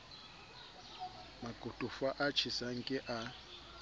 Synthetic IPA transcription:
makʼutʼufaʔat͡ʃʰisaŋkʼɛʔa

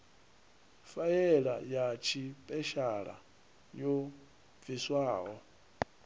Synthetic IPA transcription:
fajɛɺa̰jat͡ʃʰipʼɛʃaɺa̰ | jo | b̪viswaːɦɔ

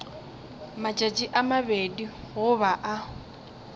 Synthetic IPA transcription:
mat͡ʃʼat͡ʃʼiʔamabediɣʊβaʔa

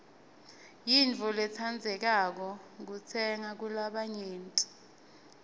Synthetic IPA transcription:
jint͡fɔlɛt͡sʰand͡zʱɛk̬ak̬ɔk̬ut͡sʰɛŋak̬ulaɓaɲeːntʼi̥

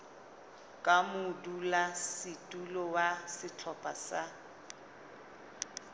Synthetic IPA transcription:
kʼamʊdulasɪtʼulɔwasɪt͡ɬʰɔpʼa̰sa

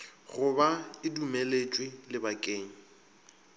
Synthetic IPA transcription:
ɣʊbaɪdumelet͡ʃʼwilɪbakʼeːŋ̩

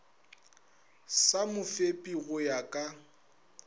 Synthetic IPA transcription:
samʊfepʼiɣʊjakʼa

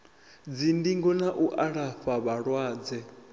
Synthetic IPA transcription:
d͡zindiŋɡɔnaʔuʔaɺafaβaɺwaːd͡zɛ

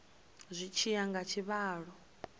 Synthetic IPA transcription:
zʷit͡ʃʰijaŋɡat͡ʃʰiβaːɺɔ

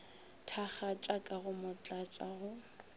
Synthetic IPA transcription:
tʰaχat͡ʃʼakʼaɣʊmʊt͡ɬʼat͡sʼaɣʊ

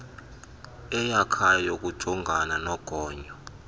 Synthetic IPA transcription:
ɛjakʰajɔk̬ʼud̥ʒ̥ʱɔŋɡʱananɔɡ̥ʱɔːɲɔ

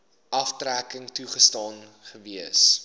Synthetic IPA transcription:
ʔɐftrækəŋtuχəstɑːnχəviəs

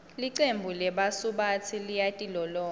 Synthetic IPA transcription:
liǀembʱulɛɓasuɓat͡sʰilijatʼilɔlɔː

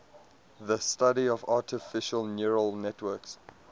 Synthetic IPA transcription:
ðəstaɾiɔvatʰɪfɪʃəlnjuɹəlˠnɛtʰwɜks

